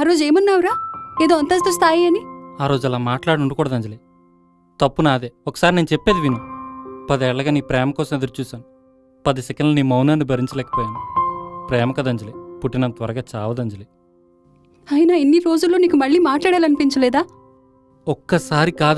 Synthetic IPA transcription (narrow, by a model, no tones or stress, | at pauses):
aːɾo̞ːd͡ʒe̞ːmɐnːaːwuɾaːeːd̪oːɐnt̪ɐs̬t̪os̬t̪ʰaːjiɐniaːɾo̞ːd͡ʒuɛlaːmaːʈlaːɽuɳɖukɔːɽɐd̪ɐɲd͡ʒɐleː | t̪ɐpːunaːd̪eːɔkːɐ̥saːɾineːnut͡ʃɛpːeːd̪iʋinupɐd̪ɛɛɭːɐɡaːniːpɾɛːmɐkɔːsɐmed̪ɐɾut͡ʃuːsaːnu | pɐd̪isɛkɐnɖlɐniːmɐwnaːnibʱɐɾiɲt͡ʃɐlɛːkɐ̥pɔːjaːnipɾɛːmɐkɐd̪ɐɲd͡ʒɐlepuʈːinɐmt̪ʋɐɾɐɡaːt͡ʃaːʋɐd̪ɐɲd͡ʒɐle | ɐjinainːiɾo̞ːd͡ʒulːo̞ːniːkumɐɭːiːmaːʈlaːɽaːlɐnipiɲt͡ʃɐlɛːd̪aː | ɔkːɐsaːɾikaːd̪